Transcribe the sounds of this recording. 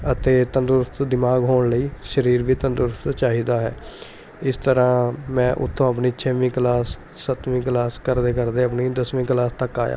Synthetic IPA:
ət̪eːt̪ənd̪ʊɾst̪d̪ɪmaːɡɦoːɳləiːʃəɾiːɾʋiːt̪ənd̪ʊɾst͡ʃaːɦiːd̪aːɦɛ̰ː | ɪst̪əɾãːmɛ̃ːʔʊ̰t̪ʰːõːəp̬niːt͡ʃʰɛʋĩːklaːsː | ət̪ʋĩːklaːskəɾd̪eːkəɾd̪eːəpniːd̪əsʋĩːklaːst̪əkːaːja̰ː

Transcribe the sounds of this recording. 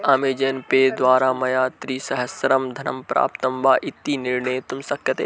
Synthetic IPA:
aːmeːd͡ʒɐnpeːd̪ʋaːɾamɐjaːt̪ɾiːsɐɦɐsɾɐmd̪ʱɐnɐmpɾa̰ːp̚t̪ɐmʋaːʔɪt̪ːinɪɾɳəjet̪ʊmsɐkʰjɐt̪eː

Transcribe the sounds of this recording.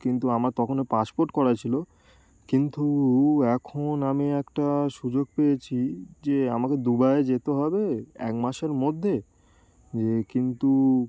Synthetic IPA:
kint̪uamaɾt̪ɔkʰonepaspoɾʈkɔɾat͡ɕʰilo | kint̪uɛkʰonamiɛkʈaʃud͡ʑoɡ̚peet͡ɕʰid͡ʑeamaked̪ubaed͡ʑet̪eɦɔbeɛ̰kmaʃeɾmod̪ʱːe | d͡ʑekint̪u

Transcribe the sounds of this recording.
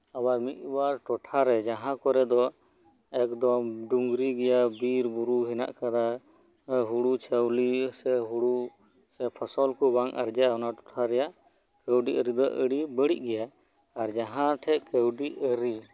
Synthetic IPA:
awaɾmit̪̚waʈɔʈʰaɾɛd͡ʒaɦãkɔɾɛd̪ɔ | ɛkd̪ɔmɖuŋɡɾiɡɛjabiɾbuɾuɦina̰ʔkaɾa | ɦuɽut͡ʃʰəwlisɛɦuɽu | sɛpʰasɔlkubaŋʔa̰ɾd͡ʒaaɔnaʈɔ̥ʈʰaɾɛjaʔ | kəwɖiʔəɾid̪ɔʔəɽibəɽiʔɡɛja | aɾd͡ʒaɦãʈʰɛʔkəwɖiʔəɾi

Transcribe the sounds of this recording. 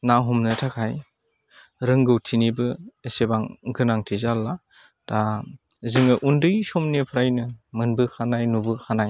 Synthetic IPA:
naɦɔmnɯtʰakʰaj | ɾɯŋɡɯwtʰinibɯesebaŋɡɯnaŋtʰizalːa | taziŋɯʔundɯjsɔmnipʰɾajnɯmɯnbɯkʰanajnubɯkʰanaj

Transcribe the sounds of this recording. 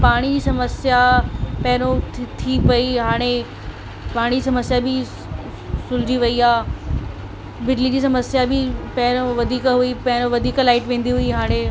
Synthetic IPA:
paːɽ̃id͡ʑiːsɐməsjapɛɦɾ̃õt̪t̪ʰipɐiɦaːɽ̃e | paːɽ̃id͡ʑiːsɐməsjabɪ | sʊld͡ʑiʋɐiaː | bɪɖlid͡ʑiːsɐməsjabɪpɛɪɾõʋɐd̪ʱiːkɦuipɐɦɪɾ̃õʋɐd̪ʱiːklaːɪʈʋẽːn̆d̪iɦuiɦaːɽ̃e

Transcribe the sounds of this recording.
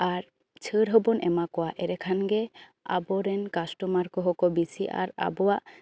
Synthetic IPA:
aɾ | t͡ʃʰəɾɦəbɔnɛmakɔwaʔɛɾɛkʰanɡɛa̰bɔɾɛnkasʈɔmaɾkɔɦɔkɔbisiʔa̰ɾa̰bɔwaʔ

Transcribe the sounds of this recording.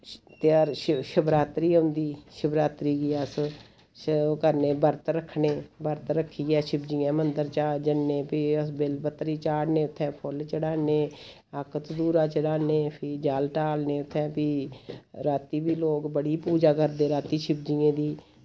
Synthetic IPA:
t̪aːɾʃəbɾaːt̪ɾiːɦʊ̃nd̪iːʃəbɾaːt̪ɾiːɡiːəs | kəɾneːbəɾt̪ɾəkʰːɳeːbəɾt̪ɾəkʰːiːɛːʃɪbd͡ʒɪjaɛ̃ːmənd̪əɾt͡ʃaːd͡ʒənːẽːpiːəsbɪlpət̪ːɾiːt͡ʃaːɽnẽːʊt̪ʰːɛ̃ːpʰʊlt͡ʃəɽaːneː | əkət̪d̪uːɾãːt͡ʃəɽaːneːpʰɪd͡ʒaːlʈaːlneːʊt̪ʰːɛ̃ːpiːɾaːt̪iːbiːloːkbəɽiːpuːd͡ʒaːkəɾd̪eːɾaːt̪iːʃɪb̚d͡ʒijẽːd̪iː

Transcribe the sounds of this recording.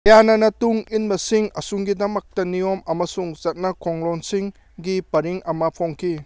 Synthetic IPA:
ɐjanɐnɐtuŋinbɐsiŋɐ̰suŋɡidɐmɐk̚tɐniomɐmɐsuŋzɐt̚nɐkʰoŋlonsiŋ | ɡipɐɾiŋɐmɐpʰoŋkʰi

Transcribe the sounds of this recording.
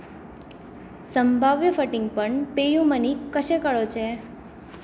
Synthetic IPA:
səmbʱaʋjəfəʈĩŋɡ̚pəɳpejũmənikəʃekəɭot͡ʃʰe

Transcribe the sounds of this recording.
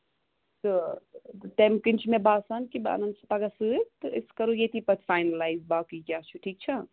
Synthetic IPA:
t̪ɨ | t̪emkint͡ʃʰmebaːsankiba̰nɐnd̪sɐpɐɡasɨt̪ɨiskɐɾujet̪ipɐt̪ʰfaːjnɐlaːjzbaːkikjaːt͡ʃʰuʈʰiːk̚t͡ʃʰɐ

